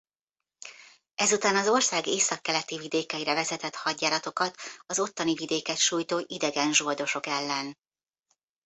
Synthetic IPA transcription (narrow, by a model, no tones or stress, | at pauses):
ɛzut̪aːnɒzo̞rsaːɡeːsɒkːɛlɛt̪ivid̪eːkɛiɾɛvɛzɛt̪ɛt̪hɒɟːaːɾɒt̪o̞kɒt̪ɒzo̞t̪ːɒnivid̪eːkɛt̪ʃuːjt̪oːʔid̪ɛɡɛnʒord̪o̞ʃo̞kɛlːɛn